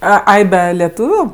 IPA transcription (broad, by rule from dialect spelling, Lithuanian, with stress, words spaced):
ˈɐ ˈɐɪ ˈbʲɛ lʲɛˈtuːʋʲʊ